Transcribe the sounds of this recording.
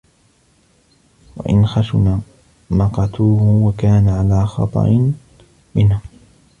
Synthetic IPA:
wa̰ʔɪ̰nxaʃʊna | mɑqɑt̪uːhʊwakaːnaʕalaːxɑ̰t̪ˤɑ̰ʔɪ | mɪnaː

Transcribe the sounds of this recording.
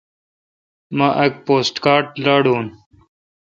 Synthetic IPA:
maʔɐk̚poːsʈkaːʈlaːɽuːn

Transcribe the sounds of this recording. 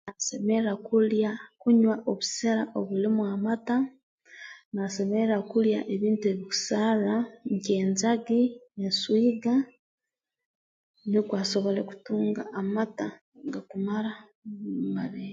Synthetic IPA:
nasemeɾakuljakuɲwaʔoβuseɾaʔoβulimwamata | nase̞meɾɾakulja̰ʔeβiːntue̞βiku̥salaɲceːnzaɡinenswiːɡa | nikwaːso̞βo̞le̞ku̥tuːŋɡaʔːmata | ɡakumaɾa | umaɾe

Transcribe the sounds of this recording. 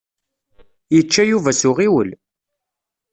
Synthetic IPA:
jət͡ʃːæjuvæsʊʁiwəl

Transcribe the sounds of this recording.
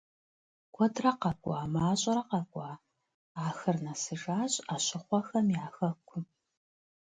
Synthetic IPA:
ɡʷʰɔdrɐqɐɡʷʼɑ̰ːmaːɕʼɐɾɐqɐɡʷʼɑː | aːxɨrnɐsɨʒaːɕʼaːɕɪχʷɔxɐmjaːxɐkʷʰʊ

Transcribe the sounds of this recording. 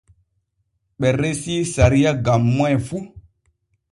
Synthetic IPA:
ɓɛɾesisaɾijaɡamːajfu

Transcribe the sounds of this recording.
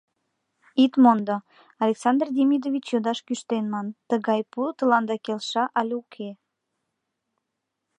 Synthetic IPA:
it̪mond̪o | ɑlʲeksɑnd̪rd̪ʲemʲid̪ovʲit͡ɕjod̪ɑʃkyʃt̪enmɑnt̪əɣɑjput̪ə̆lɑnd̪ɑkelʃɑʔɑlʲukʰe

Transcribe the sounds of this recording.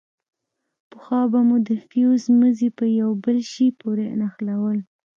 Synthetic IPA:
pəxɑbamud̪əfiozməzipəjawbəlʃipoɾenaxlawəl

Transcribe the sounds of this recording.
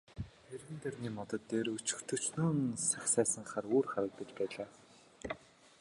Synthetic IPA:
erɣɘ̆nt̪ʰerniːmɔt̪ɞ̆t̪ːeːrɵt͡ɕɵ̥̆xt̪ʰɵ̆t͡ɕnoːnsaxsæːsə̆ŋχaruːrχaɾə̆k̚p̪eit͡ɕpæːɮaː

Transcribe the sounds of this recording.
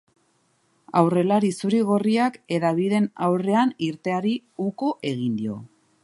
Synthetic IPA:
a̰wre̞laɾisuɾiɣo̞riake̞ðaβ̞ið̞e̞nawre̞aniɾt̪e̞aɾiuko̞ʔe̞ɣ̞ind̪io̞̰

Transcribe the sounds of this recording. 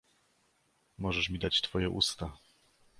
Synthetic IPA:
mɔʐɛʂmʲid̪at͡ɕt̪fɔjɛʔust̪a

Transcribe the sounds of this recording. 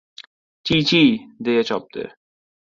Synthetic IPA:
t͡ɕit͡ɕid̪ejet͡ɕɔp̚t̪ḛ

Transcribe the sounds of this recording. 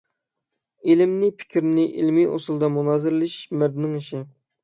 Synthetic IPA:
elɪmnɪpʰɪ̥kʲʰɾnɪʔḭlmio̰sulˠd̪ɑmunɑːzɨɾlɪʃmæɾd̪ɪnɪŋiʃɪ

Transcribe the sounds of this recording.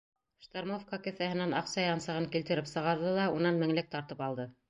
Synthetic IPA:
ʃt̪ormofkakɘ̆θæhɘ̆nænɑqsɑjɑnsɤ̆ʁɤŋkilt̪ɘ̆ɾɘpsɤ̆ʁɑɾðɤðˠɑunɑnmɘ̆ŋlɘk̚t̪ɑɾt̪ɤpɑlˠd̪ɤ

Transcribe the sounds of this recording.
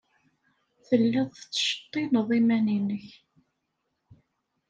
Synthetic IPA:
θəlːæðˤθt͡sːʃə̥t̪ˤːinəðˤimæninəç

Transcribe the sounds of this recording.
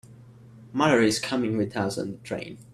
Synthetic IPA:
mʌɾə˞ɪz̥kʰʌmɪ̃ŋwɪðʌsə̰̃nðətʰɹ̥ḛ̃ɪ̃n

